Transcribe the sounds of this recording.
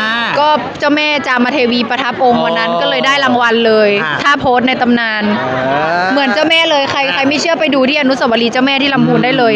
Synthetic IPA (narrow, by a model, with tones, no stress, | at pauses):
kɔː˥˩ | t͡ɕaː˥˩wmɛː˥˩t͡ɕaː˨˧˩maː˧t̪ʰeː˧wiː˧pa˧t̪ʰa˦˥po˧ŋwa˧nːa˦˥nkɔː˥˩lɤː˧jdaː˥˩jla˧ŋwa˧nlɤː˧jt̪ʰaː˥˩pʰoː˦˥t̪̚na˧jt̪a˧mnaː˧n | mɯ˩˦ənt͡ɕa˥˩wmɛː˥˩lɤː˧jkʰa˧jkʰa˧jma˥˩jt͡ɕʰɯ˥˩ɐpa˧jduː˧t̪ʰiː˥˩ʔnu˦˥sa˧˩wa˧liː˧t͡ɕaː˥˩wmɛː˥˩t̪ʰiː˥˩la˧mbuː˧nda˥˩jlɤː˧j